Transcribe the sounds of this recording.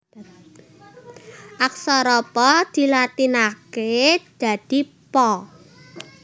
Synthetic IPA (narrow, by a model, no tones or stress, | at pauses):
ʔak̚sɔɾɔpɔd̪̥i̤lat̪inaked̪̥a̤d̪̥i̤ | pɔ